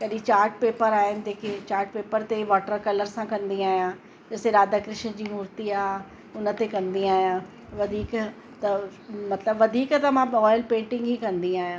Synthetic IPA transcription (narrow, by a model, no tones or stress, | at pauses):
kɐɗĩt͡ɕaːɾʈ̚peːpəɾaːɦɪnɪ̆d͡ʑeːket͡ɕaːɾʈ̚peːpəɾt̪eʋɔːʈəɾkɐləɾsãkɐ̃nd̪iaːɦjã | d͡ʑɐseɾaːd̪akɾɪʃd͡ʑiːmʊːɾt̪iaː | ʊnə̆t̪ekɐ̃nd̪iaːɦijã | ʋɐd̪ʱiːk | t̪ɐmɐt̪ləbʋɐd̪ʱiːkt̪ɐmãɔːjɪlpẽːɳʈɪ̃ŋɡɦiːkɐ̃nd̪iaːɦijãː